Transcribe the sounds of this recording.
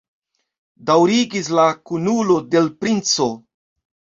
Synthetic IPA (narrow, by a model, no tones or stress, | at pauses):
dawɾiɡis̬lakunulo̞de̞lpɾint͡so̞